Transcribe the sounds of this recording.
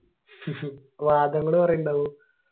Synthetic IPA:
ʋaːd̪ɐŋːɐɽɨpɐrɐjuɳɖaʋu

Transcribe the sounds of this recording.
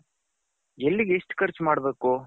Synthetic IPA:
elːiɡeʂʈkɐɾt͡ʃmaːɽɐbeːko

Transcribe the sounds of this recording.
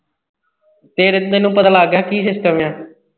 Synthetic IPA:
t̪eːɾɪnd̪eːnũːpət̪aːlaːɡjaːkiːsɪsʈəmjãː

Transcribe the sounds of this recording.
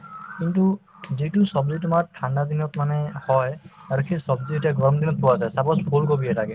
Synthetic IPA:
kintu | zitusɔbzitʊmatʰandad̪inɔtmanɛhɔjaɹukʰisɔbzitaɡɔmd̪inɔt̚puwazajsabɔsbʰʱulkobiɛlaɡɛ

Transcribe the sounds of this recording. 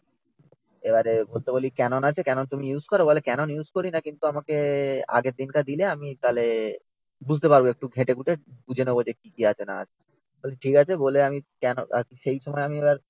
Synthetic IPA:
ebaɾebolt̪ebolikɛnonat͡ɕʰekɛnont̪uminjuzkɔɾobolekɛnonjuzkoɾinakint̪uamakea̰ɡed̪inkad̪ileamit̪ale | bud͡ʑʱt̪epaɾboek̚ʈuɡʱeʈeɡuʈebud͡ʑʱenobod͡ʑekikiat͡ɕʰenaat͡ɕʰe | boleʈʰikat͡ɕʰeboleamikɛno̰akiʃejʃɔmɔeamiebaɾ

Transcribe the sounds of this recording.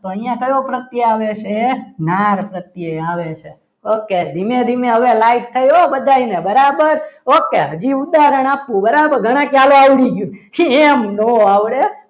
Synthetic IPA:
t̪oəĩjãkəjopɾət̪jəaʋet͡ʃʰenaɾpɾət̪jeaʋet͡ʃʰe | oked̪ʱimẽd̪ʱimẽɦəʋelaiʈ̚t̪ʰəjobəd̪ʱainebəɾabəɾokeɦəd͡ʒiud̪aɾəɽ̃apːũbəɾabəɾɡʱəɽ̃ãkjaloaʋɽiɡjũemnoaʋɽe

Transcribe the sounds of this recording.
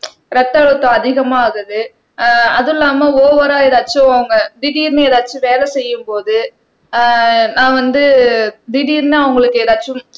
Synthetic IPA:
ɾɐt̪ːɐɭɯt̪ːʊ̃ɐðɪɣɐmaːɣɯðɯ | ɐðɯlːaːmɐoːʋɐɾaːɛðaːt͡ʃːʊ̃ɐʋɐŋɡɐd̪ɪɽiːɾnɐɛːðaːt͡ʃːɯʋeːlɛsɛjːɯmpoːðɯ | nãːʋɐnd̪ɯd̪ɪɽiːɾnɐɐʋʊŋɡɐɭɯkːeːðaːt͡ʃːʊ̃m

